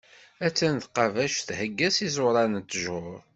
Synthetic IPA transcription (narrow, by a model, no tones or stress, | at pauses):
æt͡sːænt̪qɑvæʃθhəɡːæsizʊɾˤɑnət̪ːʒʊɾ